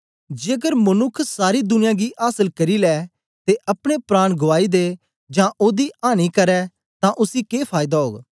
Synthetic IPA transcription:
d͡ʒeːkəɾmənʊkʰsaːɾiːd̪ʊnɪjãːɡiːʔaːsəlkɐɾiːlɛː | t̪eːʔɐpɽ̃eːpɾaːɽ̃ɡʊʋaːiːd̪eː | d͡ʒãːʔoːd̪iːaːñiːkəɾɛː | t̪ãːʔʊsiːkeːpʰaːɪd̪aɦo̰ːɡ

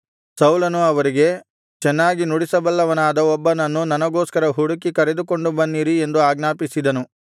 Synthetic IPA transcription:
sɐwlɐnuɐʋɐɾiɡe̞ | t͡ʃɛnːaːɡinuɽisɐbɐlːɐʋɐnaːd̪ɐɔbːɐnɐnːunɐnɐɡoːskɐɾɐɦuɽukikɐɾe̞d̪uko̞ɳɖubɐnːiːɾie̞nd̪uaːɡnaːpisid̪ɐnu

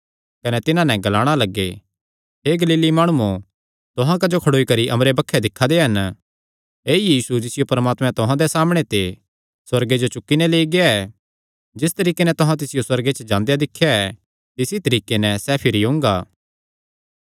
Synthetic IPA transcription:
kɐnɛt̪ɪnãnɛ̃ɡɐlaːɽ̃alɐɡːe | ɦeɡɐliːlimaːɽ̃uu | t̪ʊɦãk̬ɐd͡ʒokʰɐɽoːikɐɾiʔɐmɾebɐkʰːɛd̪ɪkʰːad̪eɦɐn | eːjiːsud͡ʒɪsɪjopɐɾmaːt̪mɛ̃t̪ʊɦãd̪ɛsaːmɽ̃et̪e | swɐɾɡed͡ʒot͡ʃʊkːinɛleːiɡeaɛ | d͡ʒɪs̬t̪ɐɾiːkenɛt̪ʊɦãt̪̬ɪsɪjoswɐɾɡet͡ʃəd͡ʒãːnd̪ejad̪ɪkʰːjaɛ | t̪ɪsit̪ɐɾiːkenɛ̃sɛpʰɪɾiɦʊ̃ŋɡaː

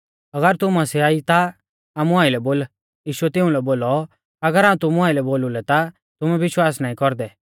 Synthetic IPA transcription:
ɐɡəɾt̪ʊmãsɛaːit̪a | aːmũaːilɛboːl | jiːʃuɛt̪ɪũlɛboːlɔ | ɐɡəɾaːũt̪ʊmuãːilɛboːlulɛt̪a | t̪ʊmɛ̃ʋɪʃwaːsnaːĩkɔɾd̪ɛ

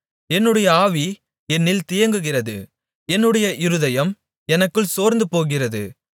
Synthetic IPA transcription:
ɛnːɯɽɐjɐaːʋi | ɛnːɪlt̪ɪjɐŋɡɯɣɪrɐðɯ̰ | ɛnːɯɽɐjɐʔɪɾɯðɐjɐm | ɛnɐkːɯɭsoːɾnd̪ɯpoːɣɪrɐðɯ̰

